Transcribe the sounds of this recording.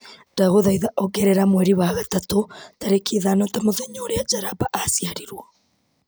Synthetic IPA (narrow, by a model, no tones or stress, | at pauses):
daɣoðaiðaʔɔɡɛɾɛɾamwɛɾiwaɣatatotaɾekiðanɔtamoðeɲoɾead͡ʒaɾabaʔasjaɾiɾwɔ